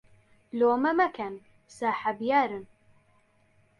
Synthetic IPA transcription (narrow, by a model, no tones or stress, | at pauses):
loːmɐmɐkʰɛn | saːħabjaːɾɨn